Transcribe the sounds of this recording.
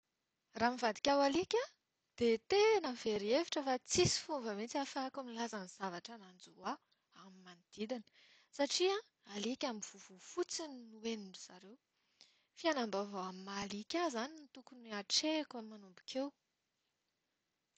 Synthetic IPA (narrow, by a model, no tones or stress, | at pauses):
ramivad̪i̥kʲawalikʲa | d̪̥et̪enəveɾieviʈ͡ʂəfat͡sisi̥fuvəmet͡siafakamilazaniz̥avaʈ͡ʂanand͡zua | amimanid̪̥id̪inə̥ | saʈ͡ʂiã | alikʲamiv̥uvufut͡sininuenuɳɖ͡ʐuz̥aɾew | fianambavoamimalikʲazaninit̪ukuniaʈ͡ʂekamːanumbukʰew